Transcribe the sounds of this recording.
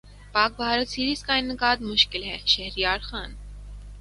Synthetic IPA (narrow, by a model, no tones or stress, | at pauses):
pɑːk̚bɑːɾəsʰiːɾiskɑjnːəkɑːd̪muʃkilɦɛʃɛhɾiɑːɾχɑːn